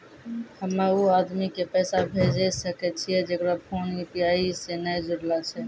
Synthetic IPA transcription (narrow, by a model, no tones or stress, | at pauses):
həmeuaːd̪mikepɛːsabʱed͡ʒɛsəkɛt͡ʃʰiɛd͡ʒekɽapʰoːnjupiaːisenəjd͡ʒʊɽlat͡ʃʰɛ